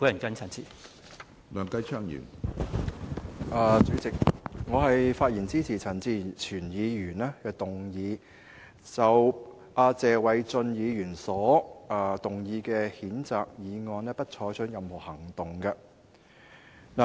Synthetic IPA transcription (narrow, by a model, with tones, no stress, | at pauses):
ku˨˥jɐ˨˩nkɐ˥nt͡sʰɐ˨˩nt͡sʰiː˨˩ | lœː˨˧ŋkɐ˥jt͡ʃʰœː˥ŋjy̰ː˨˩n | ʔaː˨˩t͡syː˨˥t͡sɪ˨k̚ŋɔː˨˧ɦɐ˨jfaː˧t̚jiː˨˩nt͡siː˥t͡sʰiː˨˩t͡sʰɐ˨˩nt͡siː˨˥t͡sʰyː˨˩njiː˨˧jyː˨˩naː˥kɛː˧t̪ʊ˨ŋjiː˨˧ | t͡sɐ˨w | ʔaː˧t͡sɛː˨˧wɐ˨˥jt͡sɵ˧njiː˨˧jyː˨˩nsɔː˨˥ʔa˨˧t̪ʊ˨ŋjiː˨˧kɛː˧hiː˨˥nt͡saː˨k̚jiː˨˧ŋɔː˨˧nɛː˥pɐ˥t̚t͡ʃʰɔː˨˥t͡ʃʰɵ˨˥n̚jɐ˨mhɔ˨˩hɐ˨˩ŋt̪ʊ˨ŋkɐ˧ | na˨˩